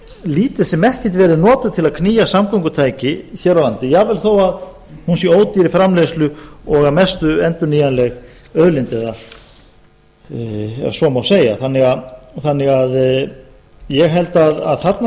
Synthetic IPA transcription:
liːt̪ɪðsɛmɛhcɪt̪vɛːɾʏnɔːt̪ʏt̪ʰɪlaðkʰniːjasamkʰowŋkʏt̪ʰaːjcɪçɛːɾawlant̪ɪjavɛlθoːwað | hunsjɛoːwt̪iɾɪfɾamlejslʏɔɣamɛst̪ʏɛnt̪ʏɾniːjanlɛɣ | œðlɪnt̪ɛða | ɛsɔmawseːja̰θanːɪɣaθanːɪɣað | jɛɣɦɛlt̪aða̰ðθat̪na

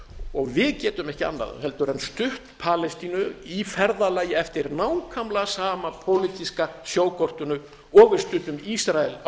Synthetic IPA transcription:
ɔɣvɪðcɛːt̪ʏmɛhcɪa̰nːa̰ðhɛlt̪ʏɾɛnst̪ʏht̪pʰalɛst̪inʏifɛɾðalaːjɪɛft̪ɪɾnaːwkʰamlasaːmapʰowlit̪iskasjoːwkʰɔr̥t̪ʏnʏ | ɔːvɪɾst̪ʏt̪ʏmisɾaɛl

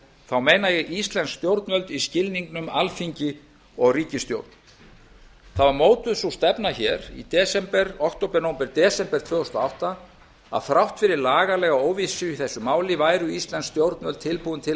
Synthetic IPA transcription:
θawmeːjnajɛist̪lɛnst̪jowɾt̪nvœlt̪iscɪlniŋknʏmalfiɲcɪ | ɔɣriːcɪst̪jo̰wɾt̪n | θavaɾmoːwt̪ʏðsust̪ɛpn̪açɛɾḭt̪ɛːsɛmpɛɾɔkt̪owpɛɾnoːwmpɛɾt̪ɛːsɛmpɛɾ̥t̪ʰvœːðɔst̪ɔawht̪a | a̰ðθɾawht̪fɪɾɪɾlaːɣalɛːɣaoːwvisʏiθɛsːʏmaːwlɪvaːjɾʏist̪lɛnst̪jowɾt̪nœlt̪ʰɪlpuːðʏnt̪ʰɪl

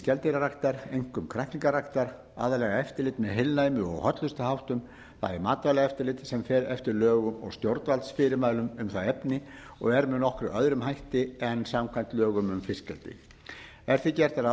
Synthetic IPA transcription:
cɛlt̪ɪɾaɾakt̪aɾejŋ̥kʏmkʰɾajht̪iŋkarakt̪aɾ | a̰ːðalɛɣaɛft̪ɪɾlɪt̪mɛðɦɪlnajmʏɔ̰ɣhœt̪lʏst̪ahawht̪ʏm | θa̰ðɛɾmaːt̪alɛɣaɛft̪ɪɾlɪt̪sɛmfɛːɾɛft̪ɪɾlœːɣʏmɔ̰ɣst̪jowɾt̪valt̪sfɪːɾɪɾmaːjlʏmʏmθaɛpnɪ | ɔɣɛɾmɛðnɔhkɾʏœðɾʏmɦajht̪ɪɛnsamkʰvajn̥t̪lœːɣʏmʏmfɪscɛ̰lt̪ɪ̰ | ɛɾ̥θɪcɛr̥t̪aɾa

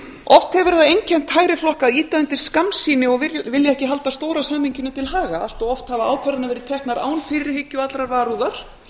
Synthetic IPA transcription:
ʔɔft̪hɛvɛɾðaejncʰɛm̥t̪haːjɾɪflɔhkaðiːt̪aʏnt̪ɪɾ̥skamsiːnɪɔɣvɪljaɛhcɪɦalt̪ast̪oːwɾasamiɲcɪnːʏt̪ʰɪlɦaːɣaal̥t̪ɔɣɔft̪havaaːwkʰaɾðɪnavɛɾɪt̪ʰɛhknaɾa̰ːwnfɪɾɾɪ̥hɪcːʏat̪lɾaɾvaːɾuðaɾ̥

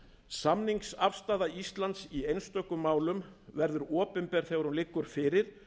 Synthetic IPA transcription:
samniŋksafst̪aːðaist̪lant̪siejnst̪œkːʏmːaːwlʏmvɛɾðʏɾɔːpʏmpɛɾ̥θeɣaɾhunlɪkːʏɾ̥fɪːɾɪɾ̥

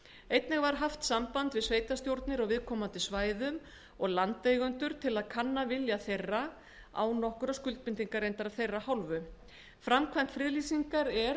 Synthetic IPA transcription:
ejt̪nɛɣvaɾ̥ɦaft̪sampant̪vɪðsveːjt̪ast̪jowɾt̪nɪɾawvɪðkʰɔːmant̪ɪsvaːjðʏm | ɔɣlant̪eːjɣʏnt̪ʏɾ̥t̪ʰɪlaðkʰanːavɪljaθejra | a̰wnɔhkʏɾaskʏlt̪̚pɪnt̪iŋkaɾejnt̪aɾaðθejrːahawlvʏ | fɾamkʰvɛm̥t̪fɾɪːðlisiŋkaɾɛɾ

